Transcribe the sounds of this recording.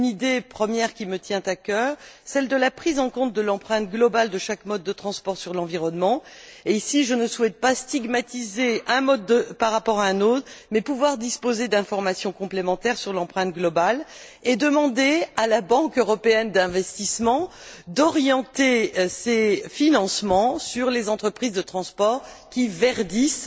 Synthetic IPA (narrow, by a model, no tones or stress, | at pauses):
ynid̪epχəmjɛʁkʲimət̪jɛ̃t̪akʲœʁsɛld̪əlapχizɑ̃kɔ̃t̪̚d̪əlɑ̃pχɛ̃t̪̚ɡlɔbald̪əʃakmɔd̪̚ːət̪χɑ̃spɔʁsyʁlɑ̃viʁɔnmɑ̃eisiʒənəswɛt̪̚past̪iɡmat̪izeɛ̃mɔd̪əpaʁːapɔʁaɛ̃not̪χmɛpuvwaʁd̪ispozed̪ɛ̃fɔʁmasjɔ̃kɔ̃plemɑ̃t̪ɛʁsyʁlɑ̃pχɛ̃t̪̚ɡlɔbal | ed̪əmɑ̃d̪ealabɑ̃køʁɔpeɛnd̪ɛ̃vɛst̪ismɑ̃ | d̪ɔʁjɑ̃t̪esefinɑ̃smɑ̃syʁlezɑ̃t̪χəpχizd̪ət̪χɑ̃spɔʁ | kʲivɛʁd̪is